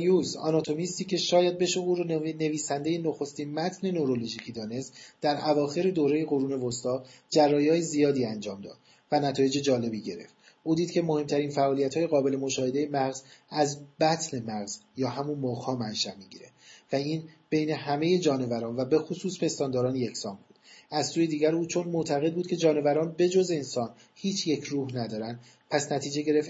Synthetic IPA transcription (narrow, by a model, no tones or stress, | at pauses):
juːsɒ̰nɒt̪ʰo̞mist̪iːcʰe̞ʃɒːjæd̪̚be̞ʃouːɾne̞viːsænd̪e̞jenoxost̪iːnmæt̪ʰne̞noɾo̞loʒiːcʰiːd̪ɒːne̞st̪d̪̥æɾʔævɒːxe̞ɾe̞d̪oːɾe̞je̞ɣo̞ɾuːne̞vost̪ɒːd͡ʒærːɒːjɒːjezijɒːd̪iːænd͡ʒɒːmd̪ɒ̰ːd̪̥ | vænæt̪ʰɒːje̞d͡ʒe̞d͡ʒɒːle̞biːɟe̞ɾe̞̰ft̪ | ʔuːd̪iːd̪cʰe̞mo̞he̞mt̪ʰæɾiːnfæʔɒːlijæt̪ʰɒːje̞ɣɒːbe̞le̞moʃɒːhe̞d̪e̞jemæɣz̥æzbæt̪ʰne̞mæɣzjɒːɦæmunmoːɣhɒːmænʃæʔmiɟḭːɾe̞væiːnb̥e̞jne̞hæme̞je̞d͡ʒɒːne̞væɾɒːnvæbe̞xosuːspʰe̞st̪ɒːnd̪ɒːɾɒːnje̞cʰsɒːmbuːd̪æzsuːje̞d̪iːɟæɾuːt͡ʃʰo̞nmot̪ʰæɣed̪buːd̪̥̚cʰe̞d͡ʒɒːne̞væɾɒːnbe̞d͡ʒo̞ze̞nsɒːn | hiːt͡ʃʰje̞cʰɾuːhnæd̪ɒːɾænd̪̥ | pʰæsnæt̪ʰiːd͡ʒe̞ɟe̞ɾe̞f